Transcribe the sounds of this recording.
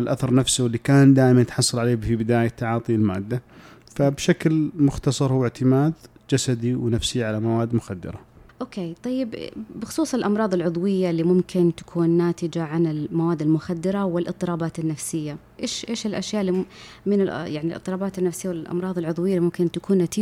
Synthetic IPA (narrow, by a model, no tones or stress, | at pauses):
ɪlʔaθɑɾˤnafsawɪlːikaːnd̪aːʔɪmanɪt̪ħɑsˤːɑlʕaleːbfibɪd̪aːjat̪ːaʕɑːt̪ˤiɪlma̰ːd̪ːa | fabʃaklmʊxt̪ɑsˤɑɾˤhʊwːɪʕt̪ʰɪmaːd̪ | d͡ʒasad̪iwnafsiʕalamawaːd̪ːmʊxad̪ːɪ̰ɾˤaʔoːkeːt̪ˤɑjːɪbbɪxʊ̥sˤuːsˤɪlʔɑmɾˤɑːðˤɪlʕʊðˤwɪjːalːiːmʊmkɪnt̪ḁkʰuːnːaːt̪ɪd͡ʒaʕanɪlmawaːd̪ːɪlmʊxad̪ːɪɾawɪlʔɨt̪ˤːɨɾɑːbaːt̪ɪnːafsɪjːa | ʔeːʃʔeːʃɪlʔaʃjaːʔɪlːimɪnɪljaʕnilʔɨ̰t̪ˤːɨɾɑːbaːt̪ɪnːafsɪjːawɪlʔɑ̰mɾˤɑːðˤɪlʕʊðˤwɪjːaimʊmkɪnt̪akuːnːat̪iː